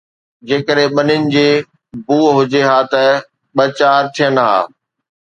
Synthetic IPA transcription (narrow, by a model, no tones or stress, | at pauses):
d͡ʑeːkəɗɦẽɓɐnɪnɪ̆d͡ʑeː | buːɦʊd͡ʑeɦaːt̪ɐ | ɓɐt͡ɕaːɾt̪ʰijənɦa̰ː